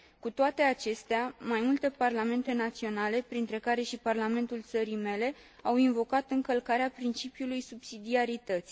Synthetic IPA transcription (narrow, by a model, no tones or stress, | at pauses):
kut̪oat̪e̞at͡ʃe̞st̪eamajmult̪e̞parlame̞nt̪e̞nat̪sio̞nale̞pɾint̪ɾe̞kaɾe̞ʃiparlame̞nt̪ult̪səɾime̞le̞ | awinvo̞kat̪ɨŋkəlkaɾeapɾint͡ʃipjulujsubsid̪iaɾit̪ət̪sʲ